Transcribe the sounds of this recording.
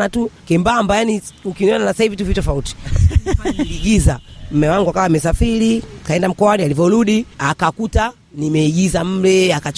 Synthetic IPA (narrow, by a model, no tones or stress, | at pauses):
atukɛmbambajaniukiniɔnanasahivituvitɔfauti̥ | iɡizam̩mɛwaŋɡuakawamɛsafiɾikaɛndam̩kɔwanialivɔɾuɗiakakuta | nimɛiɡizam̩lɛaka